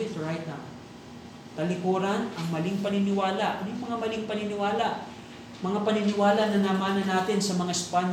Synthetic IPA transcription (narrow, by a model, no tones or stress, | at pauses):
ɪt̪ɹajt̪̚ɐ | t̪ɐlɪkuːɾɐnɐŋmɐlɪŋpɐnɪnɪwaːlɐaʔɐnjŋmɐŋamɐlɪŋpɐnɪnɪwaːlɐʔ | mɐŋapɐnɪnɪwaːlɐnɐnaːmaːnɐnaːt̪ɪnsɐmɐŋaɛspan